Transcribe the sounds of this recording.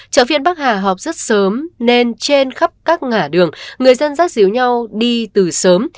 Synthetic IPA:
t͡ɕə̰ː˧˨˩fi˧ənɓaː˦˥k̚haː˨˩ɦɔ˨˩wk͡p̚zə˦˥t̚səː˨˦mne˧nt͡ɕe˧nxa˦˥p̚kaː˦˥k̚ŋaː˧˩ɗɨ˨˩əŋːɨ˨˩əjzə˧nzaː˦˥t̚zḭ˨˦əwɲa˧wɗi˧t̪ɨ˨˩səː˨˦m

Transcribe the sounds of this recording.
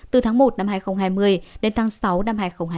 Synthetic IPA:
t̪ɨ˨˩t̪ʰaː˨˦ŋmo˨˩t̚na˧mhaː˧˩jxə˧wŋ͡mɦaː˧jmɨ˧˩əjɗe˨˦nt̪ʰaː˨˦ŋsa˨˦wna˧mɦaː˧˩jxə˧wŋ͡mɦa˧

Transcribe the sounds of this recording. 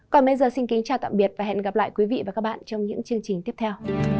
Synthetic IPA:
kɔ˨˩nɓə˨˦jzəː˨˩sï˧nki˨˦ŋ̟t͡ɕaː˨˩wt̪a̰ː˧˨mɓi˨˩ət̚vaː˨˩ɦɛ̰˧˨nɣa˨˩p̚la̰ː˧˨jkwi˨˦vḭ˧˨vaː˨˩kaː˦˥k̚ɓ̰a̰ː˧˨nt͡ɕɔ˧wŋ͡mɲɨ̰˧˥ŋt͡ɕɨ˧əŋt͡ɕï˨˩ŋ̟t̪i˦˥əp̚t̪ʰɛ˧w

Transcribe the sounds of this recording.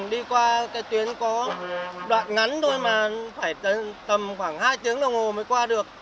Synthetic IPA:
ɗi˧kwaː˧kaː˨˦jt̪wi˨˦ənkɔ˨˦ɗwa̰ː˧˨nŋa˨˦nzo˧jmaː˨˩faː˧˩j̪ə˨˩t̪ə˨˩mxwaː˧˩ŋhaː˧jt̪ɨ˨˦əŋɗə˧˩wŋho˨˩məː˨˦jkwaː˧ɗɨ˨˩ək̚

